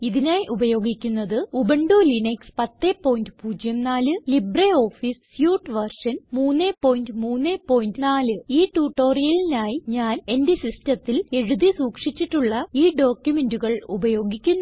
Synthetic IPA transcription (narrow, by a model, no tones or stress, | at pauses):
iðinaːjiʔubɐjo̞ːɡikʲːunːɐðɨubɐɳɖulinekspɐt̪ːe̞ːpːo̞ːjndɨpuːd͡ʑjɐmnaːlɨlibreo̞ːfissjuːʈːɨʋɐrʂɐnmuːnːeːpo̞ːjindɨmuːnːeːpːo̞ːjindɨnaːlɨiːʈuːʈːo̞ːrijɐlinaːjiɲaːne̞ndesistɐt̪ːile̞ɻuðisuːkʂit͡ɕːiʈːuɭːɐiːɖo̞ːkjume̞nduɣɐɭubɐjo̞ːɡikʲːunː